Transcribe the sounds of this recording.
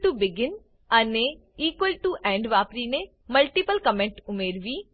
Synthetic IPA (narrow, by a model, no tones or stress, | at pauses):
ʈubɪɡɪn | ɐne | iːkwəlʈuʔɛ̃ːɳɖʋaːpɾine | mɐlʈipəlkɐmẽɳʈʊmeːɾʋiː